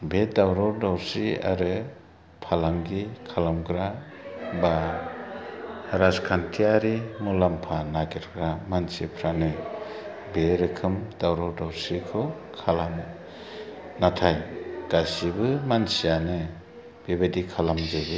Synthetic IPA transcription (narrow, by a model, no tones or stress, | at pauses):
bedawɾɔɾdawsia̰ɾɯ | pʰalaŋɡikʰalamɡɾa | ba | haɾaskʰantʰiaɾimulampʰanaɡiɾɡɾamansipʰɾanɯ | beɾɯkʰɯmdawɾɔɾdawɾsikʰɯwkʰalam | natʰajɡ̥asibɯmansijanɯ | b̥ebadikʰalamzɯbɯ